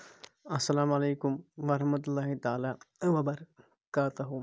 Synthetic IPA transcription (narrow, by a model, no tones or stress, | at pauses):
ɐsːɐlaːmɐleːkʊmʋɐɾɐɾɐɦmɐt̪̬ʊlːaːɦit̪aːlaːʋɐbɐɾ | kaːt̪ɐɦʊ